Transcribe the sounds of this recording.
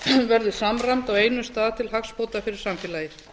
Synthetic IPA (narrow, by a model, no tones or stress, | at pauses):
vɛɾðʏsamramt̪aɣeːjnʏst̪aːðt̪ʰɪlɦakspoːwt̪afɪɾɪɾ̥samfɛːlajɪ̥